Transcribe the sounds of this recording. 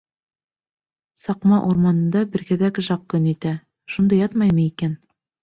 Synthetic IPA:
sɑqmɑʔuɾmɑnɤ̆nd̪ɑbɘ̆ɾɡæðækɘʒɑq̚kɵnit̪æ | ʃund̪ɤjɑt̪mɑjmɤikæn

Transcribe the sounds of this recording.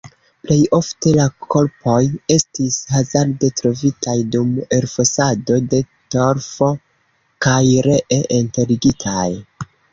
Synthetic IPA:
ple̞jo̞fte̞lakʰo̞ɾpo̞je̞stishazaɾde̞tɾo̞vitajdume̞ɾfosado̞de̞ | to̞ɾfo̞ | kajɾe̞ʔeʔente̞ɾiɡitʰaj

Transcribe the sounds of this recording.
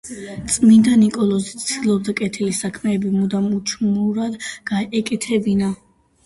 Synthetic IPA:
t̪sʼmind̪anikʼɔlˠɔzit̪sʰd̪ilˠɔb̚d̪akʼɛt̪ʰilisakʰmɛːbimud̪amut͡ʃʰmuɾad̪ɡ̥aɛkʼɛt̪ʰɛbina

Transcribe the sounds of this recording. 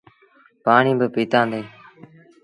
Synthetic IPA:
paːɳĩːbəpiːt̪ãːnd̪eː

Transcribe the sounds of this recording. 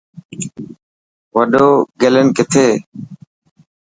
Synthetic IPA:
ʋəɖoːɡelənkɪt̪ʰeː

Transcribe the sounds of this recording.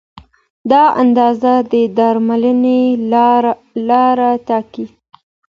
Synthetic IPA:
d̪ɑa̰nd̪ɑzad̪əd̪ɑɾmaləne | lɑɾat̪ɑki

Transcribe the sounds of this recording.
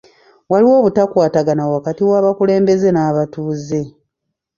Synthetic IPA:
waliwo̞ːβutakwaːtaɡanawakatiwaːβakule̞ːmbe̞ze̞naːβatuːze̞

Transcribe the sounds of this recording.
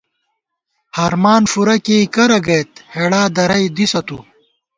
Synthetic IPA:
haɾmaːnfuɾɐkeikɐɾɐɡɐjt̪̚heɽaːd̪ɐɾɐjd̪isɐt̪ṵ

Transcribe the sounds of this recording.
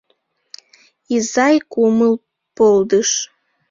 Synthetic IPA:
izɑjkuməl | pold̪əʃ

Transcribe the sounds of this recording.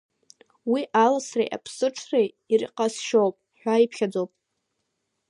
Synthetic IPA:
wiʔalasrḛjʔa̰pʰsɨʈ͡ʂʰrej | ir̰qʼasʃowpʼħᶣʷaipʰχʲad͡zowpʼ

